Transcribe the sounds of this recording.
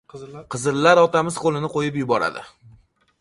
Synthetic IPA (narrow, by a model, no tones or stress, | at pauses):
qʰɨzɨɾlːaɾɒt̪amɪz̥qʰolˠɪnɪqojɪpjʊbɒɾa̰d̪ɪ̰